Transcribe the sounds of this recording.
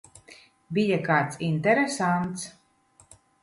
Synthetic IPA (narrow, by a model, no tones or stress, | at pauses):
bijakaːt̪sint̪ɛɾɛsant̪s